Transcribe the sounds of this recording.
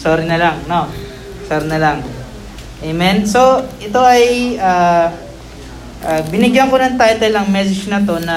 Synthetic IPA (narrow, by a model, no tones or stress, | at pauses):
soːɾɪnɐlɐŋno | soːɾɪnɐlɐŋ | ʔemɛnso̞ʔɛt̪o̞ʔɐjaː | ʔabɪnɪɡjɐŋkonɐŋt̪ajt̪ɛlɐŋmɛsɛt͡ʃnɐt̪o̞nɐ